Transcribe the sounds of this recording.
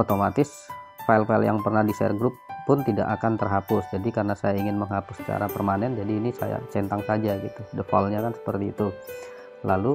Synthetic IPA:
ot̪omat̪ɪs | fajlfaɪlja̰ŋpərnahdisa̰rɡɾʊpːʊnt̪ida̰ʔakant̪ərɦapʊsd͡ʒadikarənasajaiŋɪnməŋɦapʊsːə̥t͡ʃa̰ɾapərmanɛnd͡ʒadiːnisa̰ja̰sɛnt̪aŋsad͡ʒaɡit̪udəfɔ̰lɲakansə̥pərt̪ḭːt̪u | lalu

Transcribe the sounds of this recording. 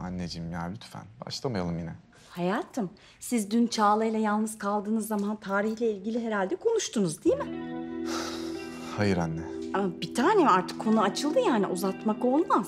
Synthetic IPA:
anːed͡ʒimjaːlʲyt̪ʰfæ̰nba̰ʃlˠamajalˠɯmjinɛ̰ | hajaːt̪ʰɯm | sizd̪ynt͡ʃʰaːlˠajlˠajalˠnɯz̥kʰalˠd̪ɯːnɯzːamant̪ʰaːɾiçlʲɛilʲɟilʲiɦe̞ɾalʲd̪ɛkʰo̞nuʃt̪ʰunuzd̪ijmɪ | hajɯɾanːɛabit̪ʰaːnemaɾt̪ʰɯ̥kʰːo̞nuat͡ʃʰɯlˠd̪ɯjaːniʔuzat̪mako̞lˠmas

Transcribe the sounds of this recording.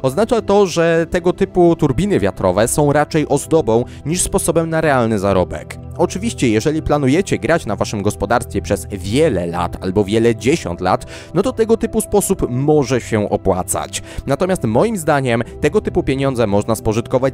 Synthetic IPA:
ɔznat͡ʂat̪ɔʐɛt̪ɛɡɔt̪ɘput̪uɾbʲinɘvʲja̰t̪ɾɔvɛsɔ̃w̃ɾat͡ʂɛjʔɔzd̪ɔbɔ̃w̃ | ɲiʂspɔsɔbɛmnaɾɛalnɘzaɾɔbɛ̰k | ɔt͡ʂɘvʲiɕt͡ɕɛjɛʐɛlʲiplanujɛt͡ɕɛɡɾat͡ɕnavaʂɘmɡɔspɔd̪aɾst̪fʲjɛpʂɛzvʲjɛlɛ̰la̰t̪a̰lbɔvʲjɛlɛd͡ʑeɕɔ̰nt̪la̰t̪ | nɔt̪ɔt̪ɛɡɔt̪ɘpuspɔsupmɔʐɛɕɛʔɔ̰pwa̰t̪sa̰t͡ɕnat̪ɔmʲjast̪mɔjimzd̪aɲɛmt̪ɛɡɔt̪ɘpupʲjeɲɔnd̪zɛmɔʐnaspɔʐɘt̪̚kɔvat͡ɕ

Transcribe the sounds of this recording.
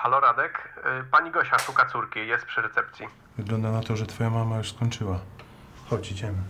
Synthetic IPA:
xalɔɾad̪ɛkpaɲiɡɔɕaʂukat̪suɾkʲijɛst̪pʂɘɾɛt̪sɛpt̪sʲji | vɘɡlɔnd̪anat̪ɔʐɛt̪fɔjamamajuʂskɔɲʲt͡ʂɘwa | xɔt͡ɕit͡ɕɛm

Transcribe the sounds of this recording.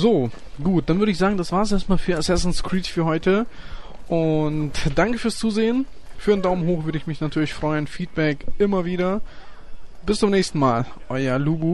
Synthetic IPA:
zoː | ɡuːt̚d̥anvʏɐɾəɪçz̥aːɡŋ̩dasv̥aːɐsʔeːɐstmaːlfyːɐasɛsn̩skʁ̥iːtfyːɐhɔʏtə | ʔʊntd̥aŋkəfyːɐst͡suːzeːən | fyːɐdendaʊmənɦoːxv̥ʏɐɾəɪçmɪçnatʰyːɐlɪçfʁ̥ɔʏənfiːt̚b̥ɛkʔɪmɐviːɾɐ | b̥ɪst͡sʊmnɛːçstn̩maːlʔɔʏɐluːbu

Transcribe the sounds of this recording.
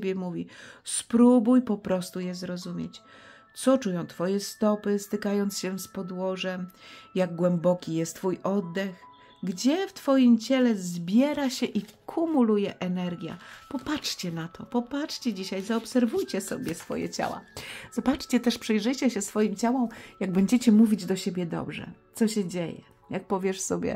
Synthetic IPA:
bʲjɛmuvʲispɾubujpɔpɾɔst̪ujɛzɾɔzumʲjɛt͡ɕ | t̪sɔt͡ʂujɔ̃w̃t̪fɔjɛst̪ɔpɘst̪ɘkajɔnt̪sɕɛspɔd̪wɔʐɛmjaɡ̚ɡwɛmbɔkʲijɛst̪ːfujʔɔd̪ːɛx | ɡd͡ʑɛft̪fɔjimt͡ɕɛlɛzbʲjɛɾaɕɛʔikʰumulujɛʔɛnɛɾɡʲja̰pɔpat͡ʂʂt͡ɕɛnat̪ɔpɔpat͡ʂt͡ʂt͡ɕɛd͡ʑiɕajzaɔpsɛɾvujt͡ɕɛsɔ̰bʲjɛsfɔ̰jɛ̰t͡ɕa̰wa̰z̥ɔbat͡ʂt͡ɕɛt̪ɛʂpʂɛjʐɘt͡ɕɛɕɛsfɔjimt͡ɕawɔmjaɡ̚bɛɲd͡ʑɛt͡ɕɛmuvʲid͡ʑd̪ɔɕebʲjɛd̪ɔ̰bʐɛ̰t̪sɔɕɛd͡ʑejɛ̰ | jak̚pɔvʲjɛʂsɔbʲjɛ̰

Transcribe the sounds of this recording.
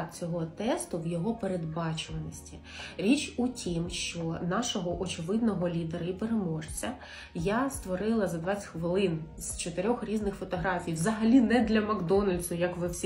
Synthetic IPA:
t͡sʲɔɦɔt̪ɛst̪ʊwjɔɦɔpeɾed̪̚bɑt͡ʃʊʋɐnɔsʲtʲi | ɾʲit͡ʃutʲʰimʃt͡ʃɔnɑʃɔɦɔʔɔt͡ʃɪʋɪd̪nɔɦɔlʲid̪eɾɐipeɾemɔʒt͡sʲɐ | jast̪ʋɔɾɪlˠɐzɐd̪ʋɑt͡sʲxʋɪlˠɪn | z̥t͡ʃɔt̪eɾʲɔxɾʲiznɪxfɔt̪ɔɦɾɑfʲijʋzɐɦɐlʲinɛd̪lʲɐmɐɡd̪ɔnɐlʲsʊjɐkʋɪwsʲ

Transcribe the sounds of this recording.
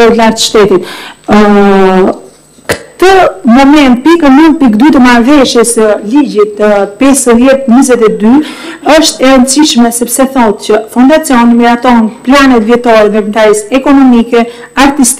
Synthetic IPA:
ɔt̪laɾt̪ʃt̪ɛt̪it̪ | kt̪əmɔmɛnt̪̚pikəmun̚pikd̪yt̪əmaɾvɛʃjɛsəlid͡ʑit̪pɛsəðjɛt̪̚ɲizɛt̪ɛd̪y | əʃt̪ɛɾənt͡siʃmɛsɛpsɛθɔt̪t͡ɕəfund̪at͡siɔnmiɾat̪ɔɦɛnplanɛt̪vjɛt̪ɔɾɛvɛpənt̪aɾisɛkɔnɔmikɛ | aɾt̪ist̪

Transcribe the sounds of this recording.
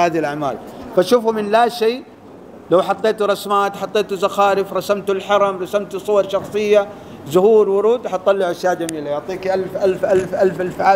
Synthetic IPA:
haːðilʔaʕma̰ːlfaʃuːfumɪnlaːʃiː | lawħɑt̪ˤːeːt̪uɾˤɑsmaːt̪ħɑt̪ˤːeːt̪uzaxaːɾɪfɾˤɑsamt̪ulħɑɾˤɑmɾˤɑsamt̪usˤʊwɑɾˤʃɑxsˤɨjːa | zʊhuːɾwʊɾuːd̪ħɑt̪̚t̪ːˤɑlːɪʕʔaʃjaːʔd͡ʒamiːlajʊʕt̪ˤiːkiʔalfʔalfʔalfʔalfʔalfʕaː

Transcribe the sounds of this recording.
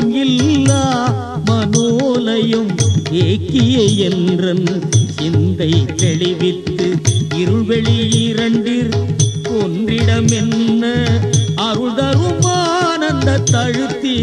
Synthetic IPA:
ɡɪlːa | mɐnoːlɐjɯmeːkːɪjeɛndrɐnɪnd̪ɐɪt̪ɛɻɪʋɪt̪ːɯɪɾɯʋɛɭijɪɾɐɳɖiɾkondrɪɽɐmɛnːɐɐɾɯɭðɐɾɯmaːnɐnd̪ɐt̪ːɐɻɯt̪ːi

